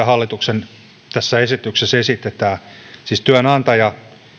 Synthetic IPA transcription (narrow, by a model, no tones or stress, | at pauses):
ɑhɑlːit̪uksen | t̪æsːæesit̪yksesesit̪et̪æːsiːst̪yænɑnt̪ɑjɑ